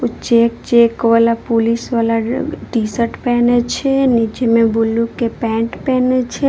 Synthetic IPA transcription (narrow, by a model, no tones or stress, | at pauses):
ut͡ʃekt͡ʃekʋalapolisʋalaʈisəʈpɛːnet͡ʃʰenid͡ʒemẽbolũkepɛ̃ʈpɛnet͡ʃʰe